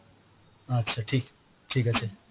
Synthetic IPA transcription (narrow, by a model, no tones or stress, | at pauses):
ətːʃʰaʈʰiːk | ʈʰiːkəsʰe